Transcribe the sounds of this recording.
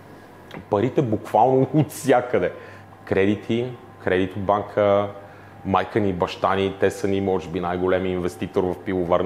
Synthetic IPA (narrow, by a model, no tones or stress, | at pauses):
pɐɾit̪ɛbukv̥alˠnoːt̪sʲjakəd̪ɛ | kɾɛd̪it̪ʰi | kɾɛd̪it̪ʊd̪̚baŋkʰə | majkənibɐʃt̪anit̪ɛsənimɔʒɛbinajɡolɛmiːnvɛst̪it̪oɾvɐfpivovaɾn